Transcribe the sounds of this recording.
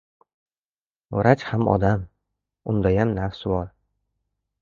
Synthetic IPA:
wɾat͡ʃhamʔɒ̰d̪am | ʊnd̪ajamnafsɪbɒɾ

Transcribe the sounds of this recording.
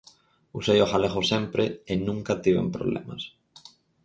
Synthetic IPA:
usejoxaleɣosɛmpɾeɪnũŋkɐt̪iβḛmpɾo̰βlɛ̰mɐ̰s

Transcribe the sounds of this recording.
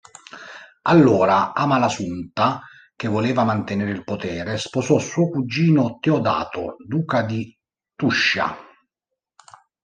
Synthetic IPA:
alːoːɾaaːmalasunt̪a | k̟evːoleːvamant̪eneːɾɪilpot̪ɛːɾesposɔsːɔːkud͡ʒːiːnot̪eɔd̪a̰ːt̪o̰d̪uːkad̪i | t̪uʃːa̰

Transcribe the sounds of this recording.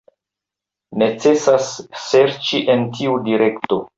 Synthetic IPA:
ne̞t͡se̞sasːe̞ɾt͡ʃiʔe̞ntiudiɾe̞kto̞

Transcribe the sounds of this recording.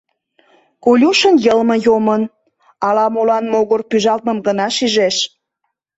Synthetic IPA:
kolʲuʃənjəlmɤ̆jomən | ɑlɑmolɑnmoɣorpyʒɑlt̪̚mə̆mɡənɑʃiʒeʃ

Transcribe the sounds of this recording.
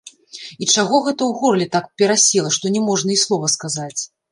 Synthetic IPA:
it͡ʂaɣɔɣɛt̪ɐwɣɔrlʲɛt̪akpʲɛɾasʲilˠɐʂt̪ɔnʲɛmɔʐnɐislˠɔvɐskazat͡sʲ

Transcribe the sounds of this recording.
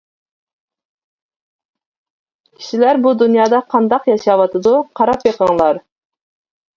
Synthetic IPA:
kʲʰi̥ʃilæɾbud̪unjɑːd̪ɑqʰɑnd̪ɑqjɑʃɑwɑt̪ʰɨd̪uqʰɑɾɑpjeqəŋlˠɑɾ

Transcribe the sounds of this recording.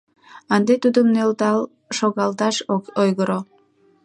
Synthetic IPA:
ɑnd̪et̪ud̪əmnølt̪ɑl | ʃoɣɑlt̪ɑʃoojɣəɾo

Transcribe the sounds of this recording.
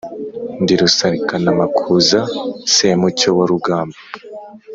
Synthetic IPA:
ndiɾusaɾikanamakʰuzasemucowaɾuɡaːmba

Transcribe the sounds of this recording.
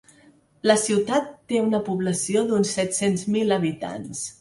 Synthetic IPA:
ləsiwt̪at̪ːeunəpuβləsioðunsːɛt̪senzmiləβit̪a̰ns

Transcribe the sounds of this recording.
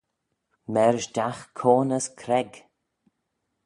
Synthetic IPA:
mɛɾʒdaxkʰoːnəskʰɾɛɡ

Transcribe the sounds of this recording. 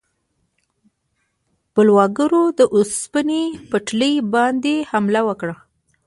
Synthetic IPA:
pəlwɑɡəɾod̪əʔospənepəʈləjbɑnd̪ehamlawəkɽa

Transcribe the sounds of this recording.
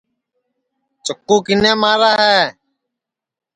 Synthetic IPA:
t͡ʃəkːuːkɪnẽːmaːɾaːɦɛː

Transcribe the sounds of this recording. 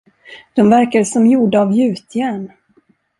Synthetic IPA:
d̪̥ɔmvæɾkaɾsɔmjuːɖaːvjʉ̟ːt̪ʰjɛn

